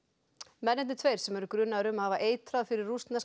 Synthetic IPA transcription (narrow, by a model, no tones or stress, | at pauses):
mɛnːɪɛnt̪ʰveːjɾ̥sɛmɛɾʏkɾʏnːaɾʏmhaːvaʔeːjt̪ɾaðfɪɾɪrːust̪nas